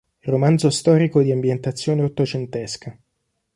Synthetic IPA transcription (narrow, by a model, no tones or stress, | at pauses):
romand̪zost̪ɔːɾikod̪iambjent̪at̪sːjoːneot̪ot͡ʃent̪ɛska